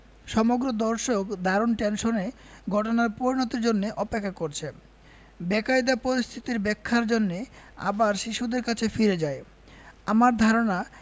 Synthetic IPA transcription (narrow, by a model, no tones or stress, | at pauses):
ʃɔmoɡɾod̪ɔɾʃokd̪ʱaɾonʈenʃone | ɡʱɔʈonaɾpoɾinot̪eɾd͡ʑonːeʔɔpekʰːakoɾt͡ɕʰe | bɛkajd̪apoɾist̪ʰit̪iɾbɛkʰːaɾd͡ʑonːea̰baɾʃiʃud̪eɾkat͡ɕʰefiɾed͡ʑae | amaɾd̪ʱaɾona